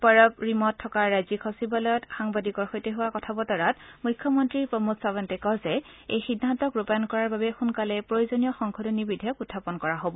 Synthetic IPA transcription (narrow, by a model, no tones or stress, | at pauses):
paɹɔpɹimɔtʰːɔkaɹːajzikʰɔsibalɔjɔtxaŋbadikɔɹxojtɛɦʊwakɔtʰabɔtɔɹatmujkʰjɔmɔntɹiɹpɹɔmutsabantɛkɔzɛ | ejxidʱantɔkɹupajɔnkɔɹaɹbabɛxunkalɛpɹojozonijɔxɔŋkʰɔdɔnibidʱijɔkutʰːapɔnkɔɹaɦobɔ